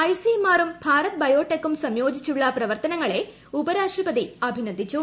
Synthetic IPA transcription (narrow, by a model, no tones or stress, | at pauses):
ɐjsimaːrumbʱaːɾɐt̪̚bɐjo̞ːʈːekːumsɐmjo̞ːd͡ʑit͡ɕːuɭːɐprɐʋɐrt̪ɐnɐŋːɐɭe̞ | ubɐɾaːʂʈrɐpɐd̪iɐbʱinɐd̪ʱːit͡ɕːu